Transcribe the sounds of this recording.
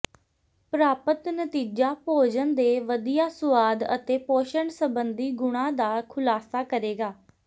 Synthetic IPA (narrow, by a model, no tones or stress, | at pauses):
pɾaːpət̪nət̪iːd͡ʒaːpoːd͡ʒənd̪eːʋəd̪ijaːsʊʋaːd̪ə̰t̪eːpoːʃəɳsəbənd̪iːɡʊɽ̃ãːd̪aːkʰʊlaːsaːkəɾeːɡaː